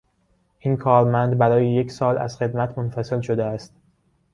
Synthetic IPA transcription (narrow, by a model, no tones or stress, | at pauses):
ʔinkʰɒːɾmænd̪bæɾɒːjejecʰsɒːlæ̰z̥xe̞d̪mæt̪ʰmonfæse̞lʃo̞d̪eæst̪